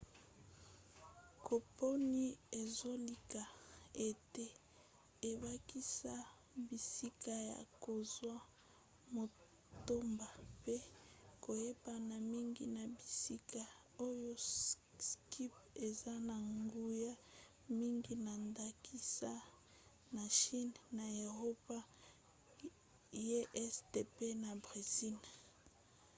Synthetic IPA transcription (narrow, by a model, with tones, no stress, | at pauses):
ko˨po˦ni˦e˨zo˦li˨ka˨e˨te˦ | e˨ba˦ki˦sa˦ | bi˨si˦ka˦ja̰˨ko˨zwa˦ | mo˨ | to˦mba˨pe˦ko˨je˦ba˨na˨mi˦ŋɡi˨na˨bi˨si˦ka˨ | o˦jo˦ski˦pe˨za˦na˨ŋɡu˦ja˦ | mi˦ŋɡi˦na˨nda˨kʰi˦sa˦ | na˨ʃi˦nna˨e˨ʁo˦pa˦ | e˦ʔɛ˦sde˨pe˦na˨bʁi˨zi˦n